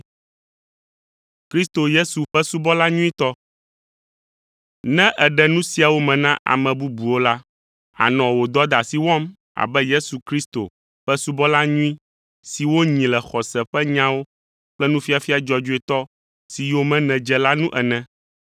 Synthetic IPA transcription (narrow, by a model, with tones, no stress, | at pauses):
kɾi˦st̪o˨je˦su˨ɸɛ˦su˦bɔ˦la˦ɲũ˦ĩ˦t̪ɔ˦ | nɛ̃˦ʔɛ˨ɖɛ˨nũ˦si˦a˨wo˦mɛ̃˨nã˦ʔa̰˨mɛ̃˨bu˦bu˨wo˦la˦ | a̰˨nɔ̃˨wo˨d̪ɔ˦d̪a˨si˨wɔ̃˦m | a̰˨bɛ˦je˦su˨kɾi˦st̪o̰˨ | ɸɛ˦su˦bɔ˦la˦ɲũ˦ĩ˦ | si˨wo˦ɲĩ˨lɛ˨xɔ˨sɛ˨ɸɛ˦ɲã˦wo˦ | k͡plɛ˦nũ˦fi˦a˨fi˦a˨d͡ʒɔ˦d͡ʒu˦ɛ˨t̪ɔ˦ | si˨jo˦mɛ̃˦nɛ̃˨d͡ʒɛ˨la˦nũ˦ʔɛ˨nɛ̃˨